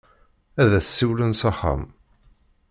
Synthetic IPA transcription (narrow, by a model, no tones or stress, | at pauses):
æðæθsːiwlənsɑħa̰m